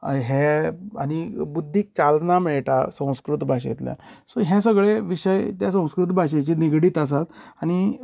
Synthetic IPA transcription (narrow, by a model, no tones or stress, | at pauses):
ɦea̰ñibud̪ʱːiːk̚t͡ɕalnamɛɭʈa̰sə̃w̃skɾut̪bʱaɕḛt̪lja̰soɦɛ̃s̬əɡɭeʋiɕəjt̪jas̬ə̃w̃skɾut̪bʱaɕ̬et͡ɕiːniɡɽiːt̪as̬at̪añi